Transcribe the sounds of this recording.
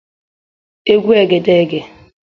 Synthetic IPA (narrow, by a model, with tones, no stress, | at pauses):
e˦ɡʷu˦e˨ɡe˨de˦˨ɡe˨